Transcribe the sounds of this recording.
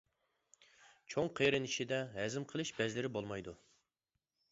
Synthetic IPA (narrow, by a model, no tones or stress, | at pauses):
t͡ʃʰoŋqʰeɾɨniʃid̪ɛɦɛzɪmqʰəlˠɨʃbɛzlɪɾɪbolˠmɑjd̪u